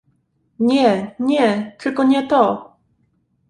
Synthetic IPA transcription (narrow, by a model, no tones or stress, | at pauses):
ɲɛɲɛt͡ʂɘlkɔɲɛt̪ɔ